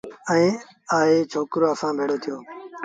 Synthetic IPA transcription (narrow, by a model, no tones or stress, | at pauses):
ɛ̃ː | aːɦeːt͡ʃʰoːkɾoːəsãːbʱeːɽoːt̪ʰɪjoː